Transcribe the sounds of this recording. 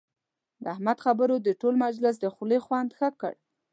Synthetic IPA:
d̪əahmad̪xabəɾod̪əʈolmad͡ʒlɪs̬d̪əxulexwand̪xəkə̰ɽ

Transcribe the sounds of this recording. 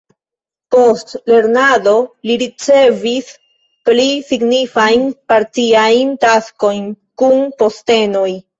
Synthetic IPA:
po̞stle̞ɾnado̞liɾit͡se̞vis | plisiɡnifajnpaɾtiajntasko̞jn | kunpo̞ste̞no̞j

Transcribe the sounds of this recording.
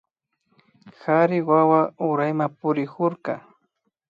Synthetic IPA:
xaɾɪwawaʊɾajmapʊɾɪkʊɾka

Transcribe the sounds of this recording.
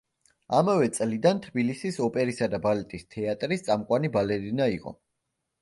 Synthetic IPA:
amavɛt̪sʼlid̪ant̪ʰbilisisɔpʼɛɾisad̪abalɛt̪ʼist̪ʰɛat̪ʼɾist̪sʼamkʼwanibalɛɾinaiqʼɔ̰

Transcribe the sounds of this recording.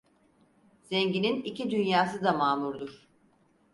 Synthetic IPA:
z̥ɛɲɟininicid̪ynjaːsɯd̪amaːmuɾd̪uɾ̥

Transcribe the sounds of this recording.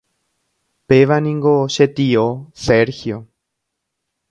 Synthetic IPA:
peʋanĩŋɡoʃet̪ioseɾxjo

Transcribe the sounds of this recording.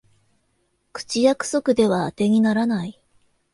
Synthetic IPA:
kɯ̟̥t͡ɕijakɯ̟̥so̞kɯ̟d̪e̞βaːt̪e̞ŋ̟inaɾanai

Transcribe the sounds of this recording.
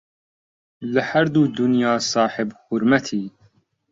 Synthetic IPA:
lɪhæɾd̪uːd̪ʊnjɑːsˤɑːħɪbxʊɾmæt̪ʰiː

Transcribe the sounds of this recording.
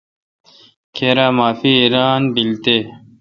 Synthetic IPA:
kʰeːɾaːmaːfiiːɾaːnbilt̪eː

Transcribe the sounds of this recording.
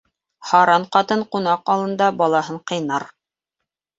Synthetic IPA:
hɑɾɑɴqɑt̪ɤɴqunɑqɑlˠɤ̆nd̪ɑbɑlˠɑhɤɴqɤ̆jnɑɾ

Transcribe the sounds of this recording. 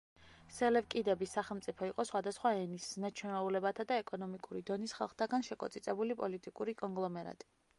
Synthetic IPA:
sɛlɛvkʼid̪ɛbisaχɛlˠmt̪sʼipʰɔiqʼɔsχwad̪asχwaɛnisnat͡ʃʰwɛnɛulɛbat̪ʰad̪aɛkʼɔnɔmikʼuɾid̪ɔnisχa̰lˠχt̪ʰaɡanʃɛkʼɔ̰t̪sʼit̪sʼɛbulipʼɔlit̪ʼikʼuɾikʼɔŋɡlˠɔmɛɾa̰t̪ʼi̥

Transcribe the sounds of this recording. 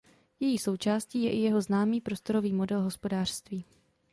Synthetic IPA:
jɛjiːso̞wt͡ʃaːsciːjɛʔɪjɛɦo̞znaːmiːpɾo̞st̪o̞ɾo̞viːmo̞dɛlɦospo̞daːr̥st̪viː

